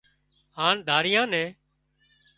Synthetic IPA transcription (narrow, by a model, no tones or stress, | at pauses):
ɦaːɳd̪ʱaːɾɪjãːnɛ̃ː